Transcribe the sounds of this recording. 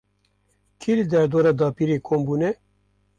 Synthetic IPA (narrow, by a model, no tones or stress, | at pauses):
kʰilɨd̪ɛɾd̪oːɾɑːd̪ɑːpiːɾeːkʰoːmbuːnɛ